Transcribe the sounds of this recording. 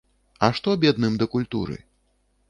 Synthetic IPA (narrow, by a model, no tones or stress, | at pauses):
ɐʂt̪ɔbʲɛd̪nɨmd̪ɐkulʲt̪ṵɾɨ̰